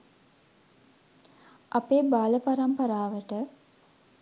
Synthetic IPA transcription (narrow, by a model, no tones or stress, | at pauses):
ʔapeːbaːləpaɾampəɾaːʋəʈə